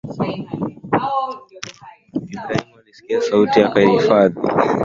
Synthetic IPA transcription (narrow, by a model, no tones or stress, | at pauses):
imɾainwalisi̥kiasautijakaihifaðḭ